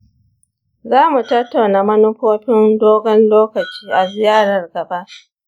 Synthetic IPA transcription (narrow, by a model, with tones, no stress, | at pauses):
zaː˦mu˨tɐ˦tːa˨wnaː˨mɐ˦nʊ˦ɸoː˦ɸɪ˦ndoː˦ɡɐ˦nloː˦kɐ˨t͡ʃiː˦ʔa˨zɪ˨jaː˦ɽɐ˨rɡɐ˨ba˦ʔ